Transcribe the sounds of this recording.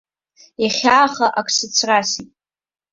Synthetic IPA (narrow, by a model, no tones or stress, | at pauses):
jaχʲaːχaʔakʰsɨt͡sʰrasitʼ